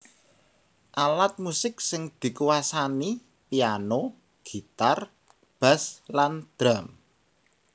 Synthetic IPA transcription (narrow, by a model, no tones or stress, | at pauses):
ʔalat̪̚musɪk̚sɪŋd̪̥i̤kuwasani | piano | ɡ̥i̤t̪ar | b̥a̤sland̪̥ɾam